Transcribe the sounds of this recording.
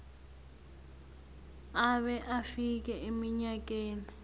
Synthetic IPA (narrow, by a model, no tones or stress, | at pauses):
aβɛʔafik̬ʼɛemiɲakʼeːni